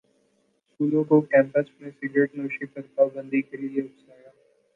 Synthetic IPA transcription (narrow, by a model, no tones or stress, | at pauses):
skuːlõkokɛ̃ːmpəsmẽsɪɡɾeʈnoːʃipɐɾpaːbə̃nd̪ʱikelɪeʊpsaːjaː